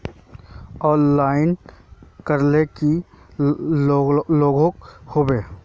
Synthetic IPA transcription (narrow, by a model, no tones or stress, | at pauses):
ɔːnlaːɪnkəɾleki | loːɡõkhobeː